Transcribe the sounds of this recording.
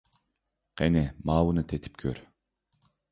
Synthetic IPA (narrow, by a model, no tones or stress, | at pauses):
qenɛmɑːwɯnɯt̪ʰet̪ʰi̥p̚kʰø̰ɾ